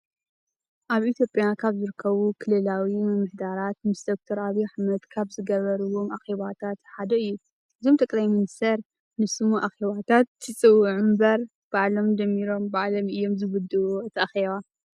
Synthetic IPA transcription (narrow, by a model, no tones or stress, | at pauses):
ʔaβʔit̪ʰjo̞pʼjakʰaβzɨɾɨkʰːɐβukʰɨlɨlawimɨmɨħd̪aɾat̪̚mɨsd̪ok̚t̪ʰoɾaβjuħamɐt̪kʰaβzɨɡɐβɐɾuwo̞mʔaxeβat̪ʰat̪ħad̪ɐɨjːu | ʔɨzo̞mt̪ʰɐkʼlajmɨnɨst̪ʰɐɾ | nɨsɨmuʔaxeβat̪ʰat̪ːɨt͡sʼɨwʕumbɐɾ | b̥aʕlo̞md͡ʒɐmːiɾo̞mbaʕlomɨjːo̞mzɨβɨd̪uot̪ʰɐʔxeβa